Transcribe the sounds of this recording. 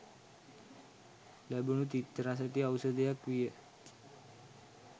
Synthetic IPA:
lɛbunut̪it̪ːɾas̬ət̪iəwsəd̪jakʋijə

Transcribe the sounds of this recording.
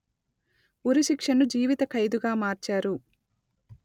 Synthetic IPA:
uɾiʃikʂɐnud͡ʒiːʋit̪ɐkʰɐjd̪uɡaːmaːɾt͡ʃaːɾu

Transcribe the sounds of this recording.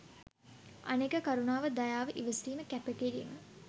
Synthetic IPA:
a̰nekəkaɾunaːʋəd̪ajaːʋəʔiʋəsiːməkæpeʈiɾḭmə

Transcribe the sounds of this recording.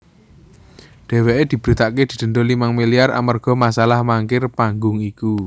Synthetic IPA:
ɖ̥e̤weʔed̪̥i̤b̥ɾit̪aʔked̪̥i̤d̪̥ə̤nd̪olimaŋmiliara̰mərɡ̥ɔ̤masalahmaŋkɪrpaŋɡʊŋiku

